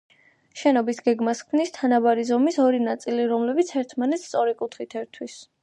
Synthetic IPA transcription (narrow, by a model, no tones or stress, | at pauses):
ʃɛnɔbisɡɛɡmaskʰmnist̪ʰanabaɾizɔmisɔɾinat̪sʼiliɾɔmlɛbit̪sʰɛɾt̪ʰmanɛt̪st̪sʼɔɾikʼut̪ʰχit̪ʰɛɾt̪ʰwis